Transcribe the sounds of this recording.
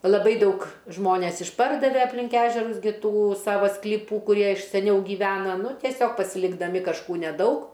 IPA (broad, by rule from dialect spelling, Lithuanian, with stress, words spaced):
lˠɐˈbɐɪ ˈdɐʊk ˈʒmoːnʲɛs ɪʃˈpɐrdɐʋʲɛ ɐpʲlʲɪŋk ˈæːʒʲɛrʊs ɡʲɪ ˈtuː ˈsɑːʋɐ sklʲɪˈpuː kʊˈrʲiɛ ɪʃ sʲɛˈnʲɛʊ ɡʲiːˈʋʲæːnɐ ˈnʊ tʲiɛˈsʲoːk pɐsʲɪlʲɪɡdɐˈmʲɪ kɐʃˈkuː nʲɛˈdɐʊk